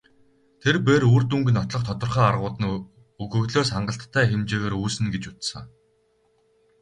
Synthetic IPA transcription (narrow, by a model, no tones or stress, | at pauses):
t̪ʰerpeːɾuːrt̪uŋɡɘ̆nɔt̪ɮɞ̆χt̪ʰɔt̪ə̆rχæːarʁʊːt̪ə̆n | uɣɵ̆ɣɮoːsχaɴɢə̆ɬt̪ʰːæːxemt͡ɕeːɣeːɾuːsɘ̆nɡet͡ɕut͡ssə̆ŋ